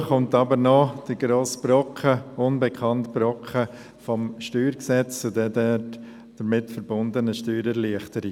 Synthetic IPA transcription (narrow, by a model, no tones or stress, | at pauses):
χʊntɑbəɾnɔd̥əɡɾoːsb̥ɾɔkχəʊnbɛkʰɑntb̥ɾɔkχə | fɔmʃtyːɾksɛt͡st͡sodɛdɛ | d̥əɾmɪtfəɾbʊndənəʃtyːɾɛɾliəχtəɾi